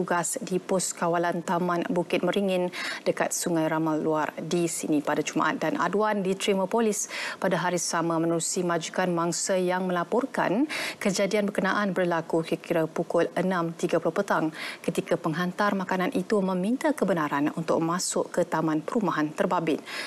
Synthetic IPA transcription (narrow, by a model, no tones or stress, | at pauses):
t̪uɡasdipɔskawalant̪amanbukɪt̪̚mə̃ɾiŋɪnd̥əka̰t̪̚suŋajɾamalːuardisḭnĩpadad͡ʒuma̰ʔa̰t̪̚dana̰duandit̪ɾiməpolispadaɦaɾisamãmənəɾusimad͡ʒukanmaŋsajaŋmə̃lapɔrka̰nkəd͡ʒadianbərkənaʔanbərlakukiɾakiɾapukʊlənãmt̪iɡapulʊhpət̪aŋkət̪ikapəŋɦant̪armakananʔit̪umə̃mĩnt̪akəbənaɾanṵnt̪ʊ̰k̚masʊʔkət̪amanpəɾumaɦant̪ərbabɪt̪̚